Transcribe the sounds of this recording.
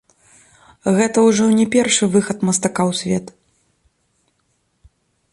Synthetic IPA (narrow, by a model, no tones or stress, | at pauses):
ɣɛt̪ɐwʐɔnʲɛpʲɛrʂɨvɨxɐt̪mɐst̪akawsʲvʲɛt̪